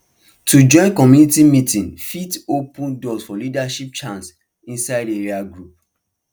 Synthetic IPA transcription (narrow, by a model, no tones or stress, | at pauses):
tʰud͡ʒɔ̃ɪ̃nkɔmjunitimitĩnfitopũndɔsfɔlidaʃip̚t͡ʃãns | ĩnsaɪdeɹiaɡɹup̚